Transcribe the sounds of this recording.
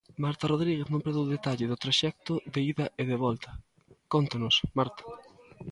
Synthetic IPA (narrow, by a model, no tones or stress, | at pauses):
maɾt̪ɐroðɾiɣeθnõmpɾeðewðet̪aʎɪðʊt̪ɾaʃɛk̚t̪ʊðeiðɐʔeðeβɔlt̪ɐ̥ | kont̪anʊsmaɾt̪ḁ